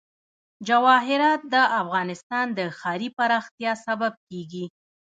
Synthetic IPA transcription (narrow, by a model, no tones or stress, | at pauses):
d͡ʒawɑɦɪɾɑt̪̚d̪əʔafɣɑnɪst̪ɑnd̪əxɑɾipaɾɑxt̪jɑsabab̚keɡi